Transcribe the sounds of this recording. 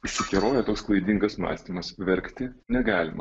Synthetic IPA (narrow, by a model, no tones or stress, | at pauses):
ʊʃʲsʲɪkʲɪɾoːjɛt̪oːksklˠɐɪd̪ʲiŋɡɐsmɑ̰ːsʲt̪ʲimɐsʋʲɛɾʲkt̪ʲɪnʲɛɡɑːlʲɪmɐ̰